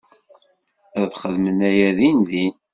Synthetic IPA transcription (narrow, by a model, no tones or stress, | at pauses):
æðχəðmənæjæðinðin